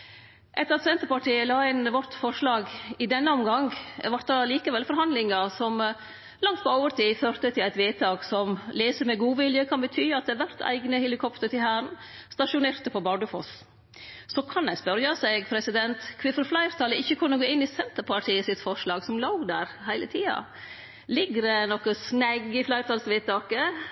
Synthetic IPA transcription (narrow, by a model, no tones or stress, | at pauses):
ʔɛt̪ːəɾɑt̪sɛnt̪əɾpɑʈʰiːəlɑːɪnʋɔt̪fɔɾʂlɑːɡɪd̪ɛnːəɔmɡɑŋʋɑɾt̪d̪ɑliːkəʋɛlfɔɾhɑnd̪lɪŋɑsɔm | lɑŋt̪̚pɔoːʋəɾt̪ʰiːføːɾt̪ət̪ʰɪlæɪt̪ʋeːt̪ʰɑːɡsɔmleːsəɾmɛɡuːʋɪljəkʰɑnbət̪ʰyːɑt̪̚d̪ɛːʋæɾt̪ʰæ̰ɪɡnəhɛlɪkʰɔpt̪əɾt̪ɪhæːɾən | st̪ɑʂʊnɛɾt̪əpɔbɑɖəfɔs | sɔkʰɑnæɪspœɾjɑsɛɪɡpʰɾɛsɪd̪ɛnt̪kʰʋɪfɾɔflæɪɾt̪ʰɑləɪçːəkʰʉnːəɡoːɪnːɪsɛnt̪əɾpʰɑʈʰiːəsɪt̪fɔʂlɑːɡsɔmloɡd̪æ̰ɾhæɪlə̰t̪ʰiːɑ̰ | lɪɡɾnɔkəsnæɡɪflæɪɾt̪ɑlsʋeːt̪ɑːkə